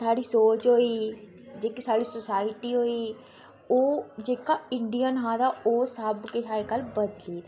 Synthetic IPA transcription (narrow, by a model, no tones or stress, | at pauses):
sʰaːɽiːsoːt͡ʃɦoːiː | d͡ʒeːkisaːɽiːsʊsaːɪʈiːɦoːiː | oːd͡ʒeːkaːɪɳɖijənɦãːd̪aːoːsəbketʰaːeːkəlbəd̪liːd̪a